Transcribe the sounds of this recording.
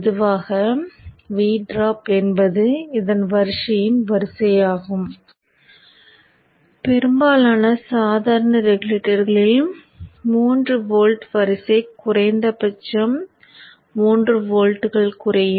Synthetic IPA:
pðɯʋaːɣɐ | ʋiːɖɾaːpɛnbɐðɯɪðɐnʋɐɾɯʂɐjɯmʋɐɾɯsɐjaːɣɯm | pɛɾɯmbaːlaːnɐsaːðaːɾɐnɐɾɛɣʊɭeʈɐɾɣɐɭɪl | muːndrɯʋoːlʈʋɐɾɯsɐɪkʊrɐɪnd̪ɐpɐt͡ʃːɐmː | uːndrɯʋoːlʈːɯɣɐɭkʊrɐjɯ

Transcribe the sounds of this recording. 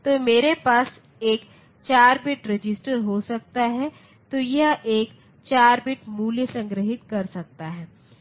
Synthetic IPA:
t̪oːmeːɾepaːs | eːk | t͡ʃaːɾbɪʈɾed͡ʒɪsʈəɾɦosɐkt̪aɦɛ | t̪ojɐɦʔeːk | t͡ʃaːɾbɪʈmuːljəsɐ̃ŋɡɾəɦɪt̪kɐɾsɐk̚t̪aɦɛː

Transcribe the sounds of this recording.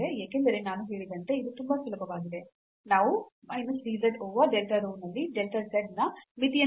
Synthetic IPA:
ejaːkend̪ɐɾenaːnuɦe̞ːɭid̪ɐnt̪eid̪ut̪umbɐsulɐbɐʋaːɡid̪e̞ | naːʋumɐjnɐsɾiːzɐɖoːʋɐɖelʈɐɾuːmnɐlːiɖelʈɐɾsɐɖnɐmit̪ijɐ

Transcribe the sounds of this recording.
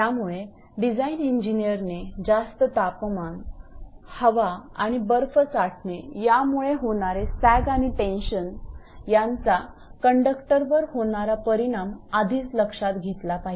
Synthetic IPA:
t̪jamuɭe | ɖid͡zainiɲd͡ʑinijəɾned͡zast̪ət̪apman | həʋaaɽ̃ibəɾfət͡saʈʰnejamuɭeɦoɽ̃aɾesæɡaɽ̃iʈẽnɕənjãnt͡sa | kəɳɖəkʈəɾʋəɾhoɽ̃aɾapəɾiɽ̃amad̪ʱiːt͡sləkʂat̪ɡʱet̪lapaɦi

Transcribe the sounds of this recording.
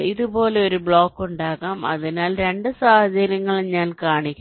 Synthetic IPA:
iðubo̞ːle̞o̞ɾubɭo̞ːkːuɳɖaːɣaːmɐ̰ðinaːlɾe̞ɳɖɨsaːhɐt͡ɕɐɾjɐŋːɐɭɲaːnkaːɳikʲːu

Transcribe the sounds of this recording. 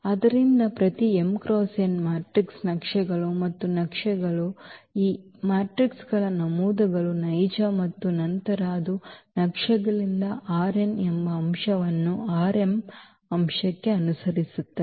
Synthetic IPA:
ɐd̪ɐɾind̪ɐpɾɐt̪iemkɾoːsenmaːʈɾiksnɐkʂɛɡɐɭumɐt̪ːunɐkʂɛɡɐɭuiː | maːʈɾiksɡɐɭɐnɐmuːd̪ɐɡɐɭunɐjd͡ʒɐmɐt̪ːunɐnt̪ɐɾaːd̪unɐkʂɐɡɐɭind̪ɐʔaːɾenembɐːmʂɐʋɐnːuaːɾe̞m | ɐmʂɐkːe̞ɐnusɐɾisut̪ːe

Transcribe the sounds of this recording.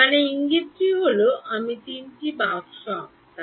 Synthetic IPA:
aɽ̃ñeiŋɡit̪̚d͡ʑiɦoloʔamit̪inʈibakʃɔ̃pt̪a

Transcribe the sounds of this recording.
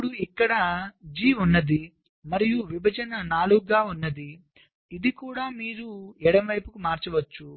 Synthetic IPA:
ɽuikːɐɽɐd͡ʒiːunːɐd̪i | mɐɾijuʋibʱɐd͡ʒɐnɐnaːluɡɡaːunːɐd̪i | id̪ikuːɽaːmiːɾuɛɽɐmʋɐjpukumaːɾt͡ʃɐʋɐt͡ʃːu

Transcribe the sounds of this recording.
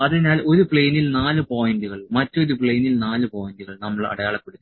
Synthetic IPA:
ɐðinaːlo̞ɾupɭejnilnaːlɨpoːjinduɣɐɭmɐtːo̞ɾupɭejnilnaːlɨpoːjinduɣɐɭnɐmːɐɭɐ̰ɽɐjaːɭɐpːeɽut̪ː

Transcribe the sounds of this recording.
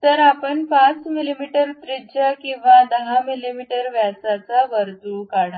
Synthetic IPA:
t̪əɾapəɳpat͡smilimiʈəɾt̪ɾit͡ɕakĩw̃ʋad̪əɦamilimiʈəɾʋjasat͡saʋəɾd̪ukaɽa

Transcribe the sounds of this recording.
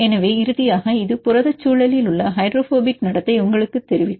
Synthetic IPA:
ɛnɐʋeːɪɾɯðɪjaːɣɐɪðɯpʊɾɐðɐt͡ʃːuːɭɐlɪlʊɭːɐɦɐɪɖɾoːfoːbɪknɐɽɐt̪ːɐɪʊŋɡɐɭɯkːɯt̪ːɛɾɪʋɪ

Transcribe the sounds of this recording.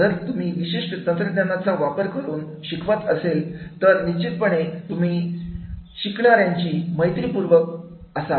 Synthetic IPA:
əɾt̪um̤iːʋiɕeʂʈət̪ənt̪ɾəd̪nanat͡saʋapəɾkəɾuːn | ɕikʰʋat̪əselt̪əɾnit͡ɕit̪̚pəɳet̪um̤iː | ɕikɳaɾjaɲt͡ɕiːməjt̪ɾiːpuɾʋək | əsa

